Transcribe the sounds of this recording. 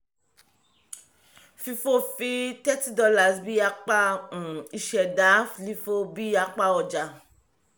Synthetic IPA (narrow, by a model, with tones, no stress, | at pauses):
fi˧fo˦fi˧tɛ˦ti˦dɔ˧la˦˨sbi˦a˧k͡pa˦ũ˨i˧ʃɛ˨da˨˦fli˧fo˦bi˦a˧k͡pa˦˧ɔ˨d͡ʒa˨